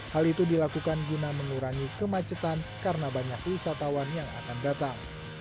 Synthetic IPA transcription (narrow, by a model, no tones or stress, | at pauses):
halit̪udilakukanɡunaməŋuɾaŋikəmat͡ʃət̪ankaɾənabaɲakusat̪awanjaŋa̰kandat̪aŋ